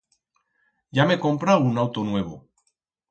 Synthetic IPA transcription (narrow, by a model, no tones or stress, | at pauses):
jameko̞mpɾawunawt̪onwe̞β̞o̰